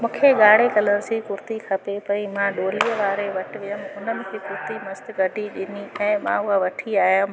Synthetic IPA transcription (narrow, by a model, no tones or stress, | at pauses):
mũːkʰeɠaːɽekɐləñɪ̃sikʊɾt̪ikʰɐpepɐimãɗoːliəʋaːɾeʋɐʈɪʋɪjəmɪʊnəmɪ̃̆kʰeːkʊɾt̪imɐst̪ɪɡʱɐɖiɗɪniɛ̃ːmã̰ʊɦaʋɐʈʰiaːɦjəmɪ